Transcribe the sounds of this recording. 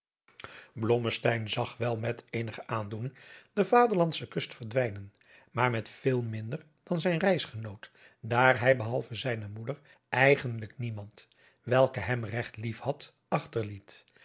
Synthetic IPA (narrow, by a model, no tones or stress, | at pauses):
blɔməstɛjnzɑχʋɛlˠmɛtejnəχəʔaːndunɪŋd̥əvaːdəɹlɑnsəkɵstfəɹdʋɛjnən | maːɹmɛtfɪːlˠmɪndəɹ | d̥ɑnzɛjnrɛjsχənowt | daːɹɦɛjbəɦɑlˠvəzɛjnəmudəɹ | ʔɛjχəndləknimɑnt | ʋɛlˠkəɦɛmrɛχtlifhɑt | ɑχtəɹlit